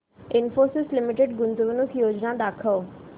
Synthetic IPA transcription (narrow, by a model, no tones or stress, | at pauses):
ɪnfoːɾsɪslɪmɪʈeɖɡʊnd̪uʋənukʰjoːd͡ʑnad̪aːkʰəʋ